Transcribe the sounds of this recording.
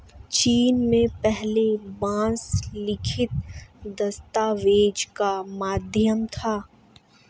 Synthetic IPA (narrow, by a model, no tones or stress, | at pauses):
t͡ʃiːnmẽpɛɦlebãːslɪkʰɪt̪̚d̪ɐst̪aːʋeːd͡ʒkamaːd̪ʱjəmt̪ʰaː